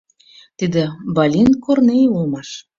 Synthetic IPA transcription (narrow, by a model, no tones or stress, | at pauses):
t̪id̪ĕbɑlʲinkornejulmɑʃ